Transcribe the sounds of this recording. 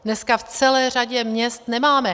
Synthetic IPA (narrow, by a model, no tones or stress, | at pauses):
dnɛskaft͡sɛlɛːr̝aɟɛmɲɛst̪nɛmaːmɛ